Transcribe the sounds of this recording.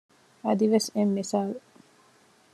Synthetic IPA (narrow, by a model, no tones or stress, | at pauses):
ɐd̪iʋesemːisaːl